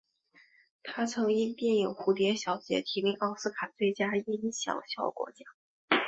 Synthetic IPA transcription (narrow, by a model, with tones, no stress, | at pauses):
t̪ʰa˥t͡sʰɤ˧˥ŋi˥˧t̪jɛ˥˩ni˨˩ŋxu˧˥t̪jɛ˧˥nɕjɑ˨˧˥ʊt͡ɕjɛ̰˧˥t̪ʰi˧˥mi˥ʔɑ˥˩ʊsɹ̩˥kʰa˨˩t͡swe˥˩ɪt͡ɕja˥i˥i˥ɕjɑ̰˨˩ʊɕjɑ˨˥˩ʊkwɔ̰˧˥t͡ɕja˥